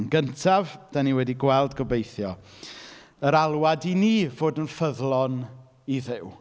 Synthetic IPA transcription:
nɡəntʰavd̥aniwɛdiɡwɛlˠdɡɔbejθjɔ | əɾalˠwadiniːvoːdənfəðlˠɔn | iðɪw

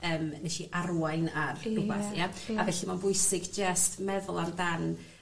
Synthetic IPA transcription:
əːmnɛʃiʔaɾuajnarrʊɡaθjaavɛɬimanbʊɨsɪɡd͡ʒəstmɛðʊlˠandan

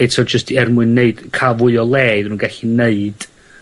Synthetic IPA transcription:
jdsʰɔd͡ʒəstʰiɛrmʊɨnːeɨd̥kʰavʊɨɔlˠɛːðnuːnɡɛɬineɨd̥

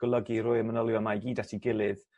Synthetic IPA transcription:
ɡ̥əlˠəɡiɾʊɨmənəlˠjɔmaɡiːdatʰiɡɪlˠɨð

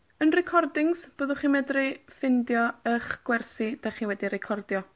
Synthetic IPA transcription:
ənrɛkʰɔrdɪŋsb̥oːðʊχiːmɛdrɪfɪndjɔəχɡ̥wɛrsid̥aχiːwɛdiɾɛkʰɔrdjɔ

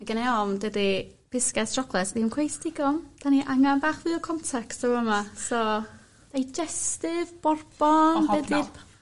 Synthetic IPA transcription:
maɡənɛɔmdədi | b̥ɪskɛsdrɔkʰlˠɛsvimkʰwejstɪɡɔmd̥aniʔaŋanbaːχvɨɔkʰɔntʰɛkstəwəmasɔ | d̥ajd͡ʒɛstɪvbɔrb̥ɔnvɛdɪ

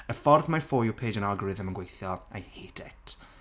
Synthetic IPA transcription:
əfɔrðmafoːjupʰeːd͡ʒənalˠɡɹɪðəmənɡwejθjɔajheːd̥ɛtʰ

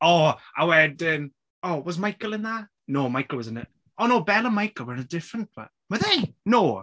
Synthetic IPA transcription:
ɔawɛdən | owɒzmajkəlˠɪ̃nðəʔ | noːmajkəl̩ˠwɒzə̃nə | ʔoːnoːbɛlˠə̃nmajkəlˠwəɹɪ̃nədɪfɹə̃nt̚b̥ə̰ʔwəðeɪnoː

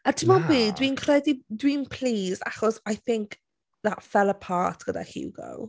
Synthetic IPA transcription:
atʰɪmɔbiːdwinkʰrɛdidwinpʰl̥iːza̰χɔsajθɪŋk | ðatfɛlˠəpʰaːtʰɡ̥əda̰hḭwɡə̰w

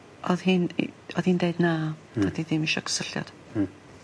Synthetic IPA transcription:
ʔɔðhiːn̰ɔðhiːndeɨdna | adiðɪmiʃɔkʰə̥səɬjɔ̰d̥

